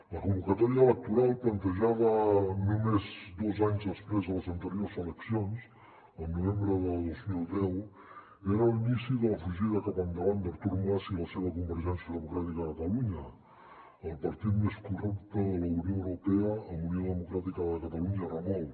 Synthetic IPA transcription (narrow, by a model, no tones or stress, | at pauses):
ləkumbukət̪ɔɾiəelək̚t̪uɾalˠplənt̪əʒaβənumezd̪ozaɲzðəspɾezðələzənt̪əɾioɾzələksjons | ənːiβɛmbɾəðəlˠd̪ozmilˠd̪ɛw | eɾəlinisiðələfuʒiðəkapənd̪əland̪əɾt̪uɾmasiləseβəkumbəɾʒɛnsjəðəmukɾat̪ikəkət̪əluɲə | əlˠpəɾt̪it̪meskurukt̪əðələunioəwɾupeəəmunioðəmukɾat̪ikəðəkət̪aluɲramɔw